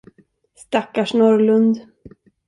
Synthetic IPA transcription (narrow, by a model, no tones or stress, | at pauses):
st̪akːaʂnɔɾlɵnd̪